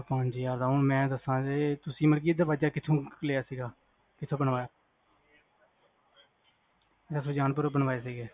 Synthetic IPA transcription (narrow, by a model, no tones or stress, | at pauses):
pãːnd͡ʒjaːɾd̪aːonmɛ̃ːd̪əsãːeːt̪ʊsĩːməɾkiːd̪d̪aːʋaːd͡ʒaːkɪt̪ʰõːkəleːjaːsiːɡaː | kɪt̪ʰːõːbənʋaːjaː | d̪əsoːd͡ʒaːnp̬əɾbənʋaːeːsiːɡeː